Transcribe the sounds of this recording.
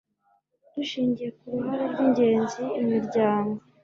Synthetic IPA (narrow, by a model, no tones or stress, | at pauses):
d̥uʃiːɲɟije̞kuβiβaɾaɾɡiɲɟe̞ːnziːmiɾɟaːŋɡo